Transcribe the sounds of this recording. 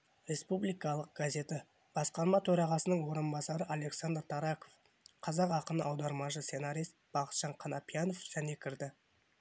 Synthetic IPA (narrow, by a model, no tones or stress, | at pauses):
ɾʲe̞spublijkɑlˠəq̚ɡ̥azʲe̞t̪ɪ | b̥ɑsqɑɾmɑt̪ʰɵɾɑʁɑsənəɴwo̞ɾənbɑsɑɾəʔale̞ksand̪əɾt̪ʰɑɾɑko̞f | qʰɑzɑqɑqənəʔɑwd̪ɑɾmɑʃəse̞naɾijst̪b̥ɑqə̥t̪ʃɑɴqʰɑnɑpʲijano̞fʒ̥æne̞kʲʰɪɾd̪ɪ